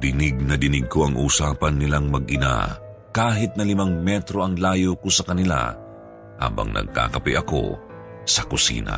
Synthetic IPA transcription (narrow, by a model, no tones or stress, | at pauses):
d̪ɪnɪɡ̚nɐd̪ɪnɪɡ̚kʰoɐŋʔuːsaːpɐnːɪlaŋmɐɡ̚ʔɪna̰ | kaːɦɪt̪̚nɐlɪmaŋmɛt̪ɾo̞ʔɐŋlaːjokosɐkɐnɪla̰ | ha̰ːbɐ̰ŋnʔɐ̰ɡ̚ka̰ːkɐpɪʔɐko̰ | sɐkʊsḭːnɐ̰